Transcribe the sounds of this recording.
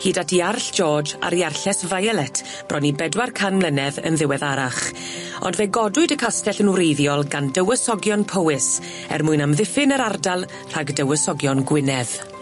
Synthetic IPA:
hiːdatʰiarɬd͡ʒɔːd͡ʒa̰ɾiarɬɛsvajalˠɛtʰ | b̥rʔɔnibɛdwarkʰanmlˠənɛðə̰nðɪwɛðaɾaχ | ɔ̰ndveɡɔdʊɨdəkʰastɛɬənwɾejðjɔlˠɡandəwəsɔɡjɔnpʰəwɪs | ɛ̰rmʊɨnamðɪfɪnəɾardalˠ | r̥aɡdəwəsɔɡjɔnɡwɪnɛð̥

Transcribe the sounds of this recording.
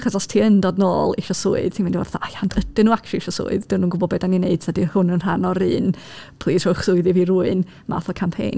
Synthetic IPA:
χɔsɔstʰiːəndɔdno̰ːlˠiʃɔsʊ̰ɨð̥tʰimɪndiwa̰rθɔajandʰədɨnuːakʃɔiʃɔsʊ̰ɨðd̥ɪwnuːnɡʊbɔbɛdanineɨd̥tʰadihʊnənr̥anɔɾɨːnpʰlˠiːrɔχsʊɨðɪviɾuːɨn | mʔa̰ːθɔkʰampʰḛjn

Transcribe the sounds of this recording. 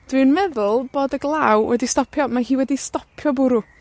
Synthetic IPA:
d̥wɪnmɛðʊlˠb̥oːdəɡlˠawwʔɛ̰distɔpʰjɔmaɦiːwɛdistɔpʰjɔbʊɾʊ

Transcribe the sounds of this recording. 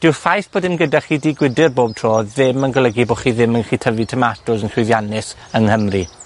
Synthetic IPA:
d̥ɪwfajθb̥oːdɪmɡədaχiːdiːɡwɪdɪrboːb̚tʰroːðɪmənɡəlˠəɡiboːχiːðɪmənχiːtʰəvitʰəmatʰʊsənkʰɪðjanɪs | əŋhəmri

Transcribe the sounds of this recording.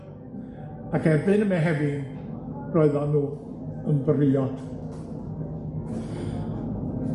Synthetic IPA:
akʰɛbɨnəmɛɦɛvɪn̥ | rɔɨðɔnuː | ənvərɪɔd̥

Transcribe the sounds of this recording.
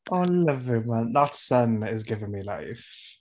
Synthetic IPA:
ʔalʌvɪmə̃nðətsʌ̃nɪzɡɪvə̃nmila̰ɪf

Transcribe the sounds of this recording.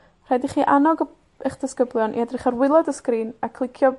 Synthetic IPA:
r̥ɛdiχiːʔanɔɡ | əχd̥əskəblˠjɔnʔḭɛdrɪχarwɪlˠɔdəskriːnakʰlˠɪkʰjɔ

